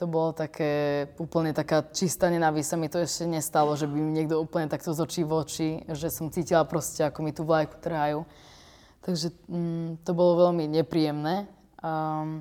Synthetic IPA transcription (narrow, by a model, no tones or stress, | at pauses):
t̪ɔbɔlɔt̪akʰɛːuːpl̩ɲɛt̪akaːt͡ʃist̪aɲɛnaʋisamit̪ɔɛʃcɛɲɛst̪alɔʒɛbimiɲɪɛɡd̪ɔuːpl̩ɲɛt̪akt̪ɔzɔt͡ʃiːʋɔt͡ʃiʒɛsɔmt͡siːcilapɾɔscɛakɔmit̪uːʋlajku̥t̪r̩ɦaju | t̪aɡʒɛt̪ɔbɔlɔʋɛlmiɲɛpɾiːjɛmnɛː | a